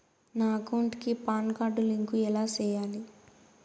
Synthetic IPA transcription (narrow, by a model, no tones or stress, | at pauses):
naːɡoːɳʈkipaːnkaːɖuliŋkuɛlaːt͡ʃɛːjaːli